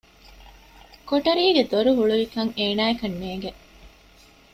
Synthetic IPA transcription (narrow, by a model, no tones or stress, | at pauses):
koʈɐɾiːɡed̪oɾuɦuɭuʋikɐŋeːnaːekɐnːeːŋɡe